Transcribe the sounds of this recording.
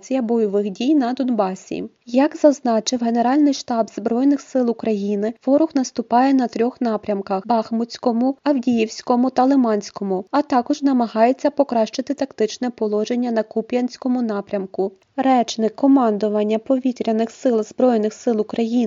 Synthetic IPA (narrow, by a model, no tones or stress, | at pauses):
t͡sʲijɐbɔjɔʋɪxdʲijn̪ɐd̪ɔnbɑsʲḭ | jɐkzɐznɑt͡ʃɪwɦene̞ɾɑlʲnɪjʃt̪ɑbzbɾɔjnɪxsɪlˠʊkɾɐjinɪʋɔɾʊxnɐst̪ʊpɑjɛn̪ɐt̪ɾʲɔxnɑpɾʲɐmkɐxbɑxmʊt͡sʲkɔmʊɐwdʲijiwsʲkɔmʊt̪ɐlˠɪmɑnʲsʲkɔmʊɐt̪ɑkɔʒnɐmɐɦɑjet͡sʲːɐpɔkɾɑʃt͡ʃɪt̪ɪt̪ɐkt̪ɪt͡ʃnɛpɔlˠɔʒe̞nʲːɐnɐkupʲjʲɐnʲsʲkɔmʊnɑpɾʲɐmkʊ | ɾɛt͡ʃnɪkkʰːɔmɑnd̪ʊʋɐnʲːɐpɔʋʲit̪ɾʲɐnɪxsɪlˠzbɾɔjnɪxsɪlˠʊkɾɐjin